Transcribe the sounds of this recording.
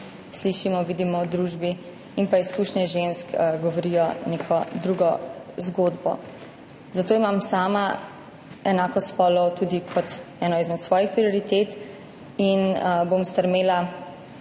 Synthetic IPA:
sliʃimɔʋid̪imɔɔd̪ɾuːʒbi | inpaiskuːʃnɛʒenskɡɔʋɔɾiːjɔnekʰɔd̪ɾuːɡɔzɡoːd̪bɔ̰ | zat̪oːimamsaːma | ɛnaːkɔspɔlɔt̪uːd̪ikʰɔt̪ɛːnɔizmɛt̪sʋɔːjixpɾiɔɾit̪et̪ | inbomst̪əɾmeːla

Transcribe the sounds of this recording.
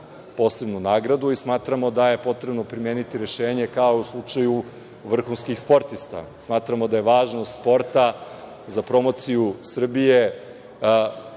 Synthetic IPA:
po̞ːse̞bnunaːɡɾad̪uismaːt̪ɾamo̞d̪aje̞po̞t̪ɾebno̞pɾimeːnit̪iɾe̞ʃeːɲe̞kaouslˠut͡ʃaju | ʋr̩xunskixspo̞ɾt̪ist̪a̰smaːt̪ɾamo̞d̪aje̞ʋaːʒnost̪spo̞ɾt̪a | zapɾo̞mo̞t̪sijusr̩bije̞

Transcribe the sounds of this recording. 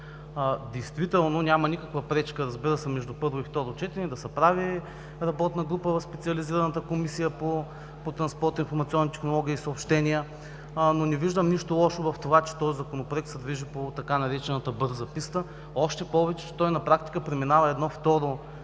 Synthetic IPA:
d̪ɛjst̪vit̪ɛlˠnonʲamɐnikəkvəpɾɛt͡ʃkəɾɐzbiɾəsɛmɛʒd̪upɤɾvoift̪ɔɾot͡ʃɛt̪iɾɛd̪ɐsɛpɾavi | ɾɐbɔt̪nəɡɾupəvɐspɛt̪siɐliziɾənət̪əkomisijəpo | pot̪ɾɐnspɔɾt̪infoɾmɐt̪sʲiɔnːit̪ɛxnolˠɔɡ̟ʲiisɐopʃt̪ɛniə | nonɛviʒd̪əmniʃt̪olˠɔʃovɐft̪ovat͡ʃɛ̥t̪ɔzizɐkonopɾoɛk̚t̪sɛd̪viʒipot̪ɐkanɐɾɛt͡ʃɛnət̪əbɤɾzɐpist̪ə | ɔʃt̪ɛpɔvɛt͡ʃɛt͡ʃɛ̥t̪ɔjnɐpɾak̚t̪i̥kəpɾɛminavɐɛd̪nɔft̪ɔɾo

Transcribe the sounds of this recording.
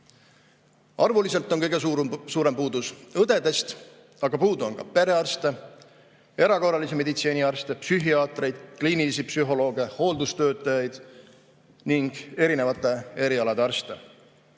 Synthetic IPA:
ɑrvulise̞lt̪ːˑo̞nkɤjɡ̥e̞suːɾempuːd̪usɤd̪e̞d̪e̞st̪ | ɑɡ̥ɑpuːd̪uo̞nkɑ̰pe̞ɾe̞ɑrst̪e̞ | e̞ɾɑko̞rˑɑliseme̞d̪̥it̪seːniɑrst̪e̞psyɦiɑːt̪ɾe̞jd̪̥kliːnilisipsyɦo̞lo̞ːɡ̥iɑho̞ːld̪ust̪ø̞ːt̪ˑːɑjɑjd̪̥ | niŋɡ̥e̞ɾine̞vɑt̪ːˑe̞e̞ɾiɑlɑd̪e̞ɑrst̪e̞

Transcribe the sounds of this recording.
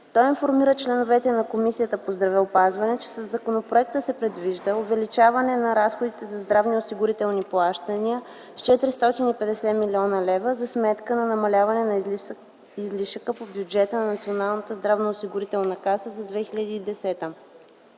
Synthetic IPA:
t̪ɔjinfoɾmiɾət͡ʃlɛnovɛt̪ɛnɐkomisijət̪əpozd̪ɾɐvɛopazvɐnɛt͡ʃɛ̥səzːɐkonopɾoɛk̚t̪əsɛpɾɛd̪viʒd̪əovɛlit͡ʃavɐnɛnɐɾasxod̪it̪ɛzɐzd̪ɾavniosiɡʊɾit̪ɛlˠniplˠaʃt̪əniə | st͡ʃɛt̪ɾist̪ɔt̪inipɛd̪ɛsɛmilʲiɔnəlɛvəzɐsmɛt̪kənɐnɐmɐlʲavɐnɛnɐ | izliʃəkəpobʲjud͡ʒɛt̪ənɐnɐt̪sʲionalˠnət̪əzd̪ɾavnəosiɡʊɾit̪ɛlˠnɐkasəzɐd̪vɛxilʲəd̪iːd̪ɛsɛt̪ə

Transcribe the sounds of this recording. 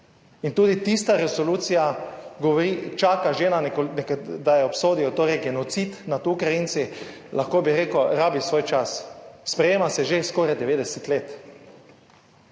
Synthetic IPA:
int̪uːd̪it̪ist̪aɾɛsoluːt̪sijaɡɔʋɔɾit͡ʃaːkaʒeːnaknɛkd̪ajɛɔpsoːd̪iɔt̪oːɾɛjɡɛnɔt̪sit̪nat̪ukɾajint̪si | lʔaxkoːbiɾeːkɔɾaːbisʋoːjt͡ʃasspɾɛjeːmasɛʒeskoːɾajd̪ɛʋeːd̪ɛsɛt̪leːt̪

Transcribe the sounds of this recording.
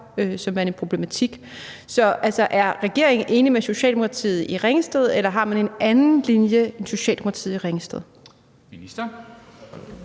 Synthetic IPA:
øsɒ̽mʋæɐnenpʰʁo̝b̥le̝mæt͡sʰiɡ̥ | sɒ̽ʔælsɒ̽ʔæɐʁɛɡ̥e̝ɐ̰eŋʔe̝ːnimeso̝ɕɛ̰ld̥emo̝kʰɑ̈t͡sʰḭːð̩ˠiʁɛŋəsd̥eð̞ˠelɐɦɑ̈mæne̝nænn̩linjəe̝nso̝ɕɛ̰ːld̥emkʰɑt͡sʰḭð̩ˠiʁeŋəsd̥ḛð̞̩ˠ | msd̥ɐ

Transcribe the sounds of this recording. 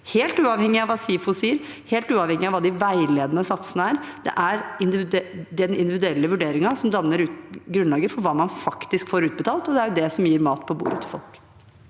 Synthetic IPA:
heːlt̪ʉːɑʋhɛŋːɪɑʋɑːsiːfʊsiːəɾ | heːlt̪ʉːɑʋhɛŋːɪɑʋɑːd̪ɪʋæɪleːd̪ənəsɑt̪sənəæːɾd̪̥ɛ̰ʔæɾɪnd̪ɪd̪ɛnɪ̰nd̪ɪʋɪd̪ʉɛlːəʋʉɖeːɾɪŋɑsɔmd̪ɑnːəɾʉːt̪ɡɾʉnɑːɡəfɔɾʋɑːmɑnfɑkt̪ɪskfoːɾʉːt̪̚bət̪ʰɑːlt̪ɔd̪ɛæɾjʊd̪ɛsɔmjiːɾmɑːt̪pʰɔbṵːɾət̪ʰɪlfɔ̰lk

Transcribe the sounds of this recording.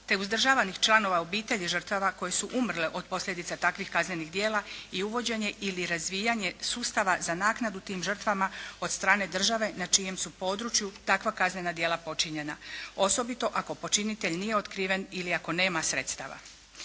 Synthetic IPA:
t̪e̞uzd̪r̩ʒaːʋanixt͡ʃlˠano̞ʋaobiːt̪e̞ʎiʒər̩t̪ʋaʋako̞je̞suʔumr̩leʔo̞d̪̚po̞slʎe̞d̪it̪sat̪akʋixkazne̞niɣd̪je̞ːlˠaiuʋo̞d͡ʑe̞ɲe̞ʔiliɾazʋiːjaɲe̞suːst̪aʋazanaːknad̪ut̪iːmʒr̩t̪ʋamao̞d̪st̪ɾaːne̞d̪r̩ʒaʋe̞nat͡ʃije̞msupo̞ːd̪ɾut͡ʃjut̪akʋakazne̞nad̪je̞lapo̞t͡ʃiɲe̞nao̞sobit̪o̞ʔako̞po̞t͡ʃinit̪e̞ʎnijeo̞t̪kɾiːʋe̞niliako̞ne̞ːmasɾe̞t̪st̪a̰ʋa̰

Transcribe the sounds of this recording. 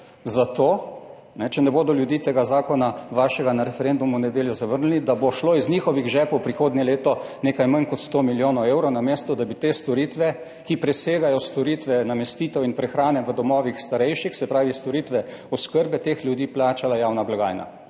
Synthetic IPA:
zat̪oː | nɛt͡ʃɛnɛboːd̪ɔljud̪iːt̪eːɡazaːkɔnaʋaːʃɛɡanaɾɛfɛɾend̪umunɛd̪eːljɔzaʋəɾnnid̪abɔʃloːizniːxɔʋiɣʒɛːpwpɾixoːd̪nʲɛleːt̪ɔneːkajmankɔt̪st̪omiljoːnɔweːwɾɔwnameːst̪ɔd̪abit̪est̪ɔɾiːt̪ʋɛ | kipɾɛseːɡajɔst̪ɔɾit̪ʋɛnamɛst̪iːt̪ɛwinpɾɛxɾaːnɛʋəd̪ɔmɔːʋixst̪aɾɛjʃixsɛpɾaːʋist̪ɔɾiːt̪ʋɛɔskəɾbɛt̪eːxlʲjud̪iːplaːt͡ʃalajawnablaɡa̰ːjna̰

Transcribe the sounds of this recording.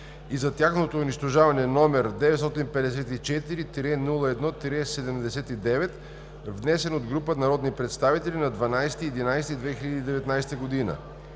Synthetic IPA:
izɐt̪ʲjaxnot̪oːniʃt̪oʒavɐnɛnɔmɛɾd̪ɛvɛt̪st̪ɔt̪inpɛd̪ɛs̬ɛt̪it͡ʃɛt̪iɾit̪ɾɛnulˠəɛd̪nɔt̪ɾɛsɛd̪ɛmd̪ɛsɛt̪id̪ɛvɛt̪ | vnɛsɛnod̪ɡɾupənaɾɔd̪nipɾɛt̪st̪avit̪ɛlʲinad̪vanajsɛ̥t̪iɛd̪inajsɛt̪id̪vɛxiʎɐd̪iːd̪ɛvɛt̪najsɛ̥t̪əɡod̪inə̰

